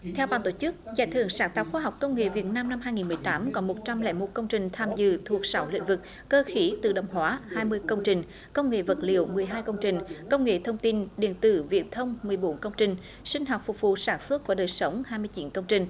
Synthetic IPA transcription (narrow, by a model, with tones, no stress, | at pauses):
t̪ʰɛ˧wɓaː˧˨nt̪o˧˩t͡ɕɨ˦˥k̚za̰ː˧˩jt̪ʰɨ̰˧˩əŋsaː˧˩ŋt̪a˨˩w̚xwaː˧ɦwk͡p̚kə˧wŋ͡mŋḛ˧˨vi˨˩ət̚naː˧mna˧mhaː˧jŋi˨˩nmɨ˨˩əjt̪aː˨˦mkɔ˨˦mo˨˩t̚t͡ɕa˧mlɛ̰ː˧˥mo˨˩t̚kə˧wŋ͡mt͡ɕï˨˩ŋ̟t̪ʰaː˧mzɨ̰˧˨t̪ʰu˨˩ək̚sa˨˦wlḭ̟˧˥˨vɨ˨˩k̚ːəː˧xi˨˦t̪ɨ̰˧˨˩ɗə̰˨˩wŋ͡mɦwaː˨˦haː˧jmɨ˧əjkə˧wŋ͡mt͡ɕï˨˩ŋ̟ | kə˧wŋ͡mŋḛ˧˨və˨˩t̚lḭ˧˨əwmɨ˨˩əjɦaː˧jkə˧wŋ͡mt͡ɕï˨˩ŋ̟kə˧wŋ͡mŋḛ˧˨t̪ʰə˧wŋ͡mt̪i˧nɗḭ˧˨ənt̪ɨ̰˧˩vḭ˨˧˩ət̚t̪ʰə˧wŋ͡mmɨ˨˩əjɓo˨˦nkə˧wŋ͡mt͡ɕï˨˩ŋ̟ | sï˧ŋ̟ɦa˨˩wk͡p̚fʊ˨˩k͡p̚vṵ˧˨saː˧˩nswə˦˥t̚ku˧˩əɗəː˨˩jsə˨˦wŋ͡mhaː˧jmɨ˧əjt͡ɕi˨˦nkə˧wŋ͡mt͡ɕï˨˩ŋ̟